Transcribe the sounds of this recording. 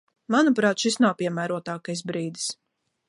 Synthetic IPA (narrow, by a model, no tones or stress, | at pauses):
manupɾɑːt̪ʃisnawpʲiɛmæːɾuɔt̪aːkajs̬bɾiːd̪i̥s